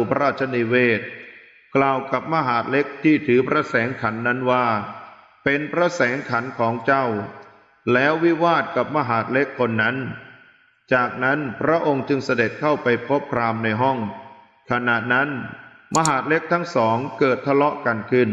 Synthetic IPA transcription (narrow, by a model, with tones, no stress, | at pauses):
pʰa˦ɾaː˥˩t̪̚t͡ɕʰa˧niː˧weː˥˩t̪̚ | klaː˨˩wka˨˩p̚ma˧ɦaː˩˦t̪̚le˦˥k̚t̪ʰiː˥˩t̪ʰɯː˩˦pʰɾa˦˧˥sɛː˩˦ŋkʰa˩˦nːa˦˥nwaː˥˩ | pe˧npʰɾa˦˧˥sɛː˩˦ŋkʰa˩˦nkʰɔː˩˦ŋt͡ɕa˥˩w | lɛː˦˥wːi˦˥waː˥˩t̪̚ka˨˩p̚ma˧ɦaː˩˦t̪̚le˦˥kʰːo˧nːa˦˥n | t͡ɕaː˨˩k̚na˦˥npʰɾa˦˥ʔo˧ŋt͡ɕɯ˧ŋsa˧de˨˩t̪̚kʰa˥˩wpa˧jpʰo˦˥p̚kʰɾaː˧mna˧jɦɔ˥˩ŋ | kʰa˧na˨˩t̪̚na˦˥n | ma˧ɦaː˨˦˩t̪̚le˦˥k̚t̪ʰa˦˥ŋsɔː˩˦ŋkɤː˨˩t̪ʰːa˧lɔ˦˥ʔka˧nkʰɯ˥˩n